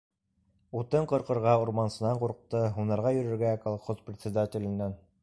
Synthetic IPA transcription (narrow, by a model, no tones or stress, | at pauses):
ut̪ɤɴqŏɾqɤ̆ɾʁɑuɾmɑnsɤ̆nɑɴquɾq̚t̪ɤɦunɑɾʁɑjɵ̆ɾɘ̆ɾɡækɑlˠχosprʲɪt̪ʲsʲɪd̪atʲɪlʲɘ̆nːæn